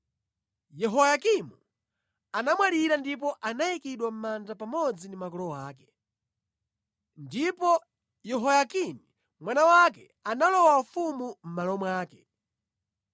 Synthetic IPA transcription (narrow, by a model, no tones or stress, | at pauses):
jɛɦɔjakimu | anamwaɾiɾandip̬ɔʔanaikiɗwam̩mand͡ʒapamɔd͡zindimakɔlɔwaːkɛ̥ | ndipɔ | jɛɦɔjakini | mwanawakɛ | analɔwafumum̩malɔmwaːkɛ